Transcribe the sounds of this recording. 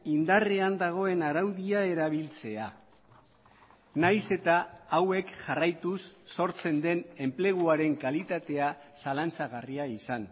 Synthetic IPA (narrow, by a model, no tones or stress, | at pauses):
ind̪areand̪aɣ̞o̞e̞naɾawðiae̞ɾaβ̞ilt͡se̞a | najse̞t̪aːwe̞kʝarajt̪usːo̞ɾt͡se̞nd̪e̞ne̞mple̞ɣ̞uaɾe̞ŋkalit̪at̪e̞asalant͡saɣariaisan